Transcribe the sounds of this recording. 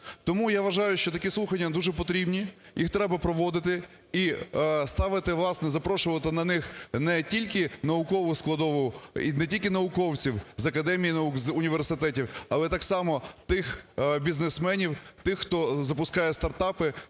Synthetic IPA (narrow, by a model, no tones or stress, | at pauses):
t̪ɔmujaʋɐʒɑjʊʃt͡ʃɔt̪ɐkʲislˠuxɐnʲːɐd̪uʒɛp̬ɔt̪ɾʲibnʲi | jixt̪ɾɛbɐpɾɔʋɔd̪ɪt̪ɪ | ist̪ɑʋɪt̪ɪʋlˠɑsnɛzɐpɾɔʃʊʋɐt̪ɪnɐnɪxnɛtʲilʲkɪnɐʊkɔʋʊsklˠɐd̪ɔʋɔʊḭnɛtʲilʲkʲɪnɐʊkɔwt͡sʲiwzɐkɐd̪ɛmʲijinɐukzʊnʲiʋersɪt̪ɛtʲiwɐlˠɛt̪ɑksɑmɔt̪ɪxbʲiznesmɛnʲiwt̪ɪxːt̪ɔzɐpʊskɑjɛst̪ɐrt̪ɑpɪ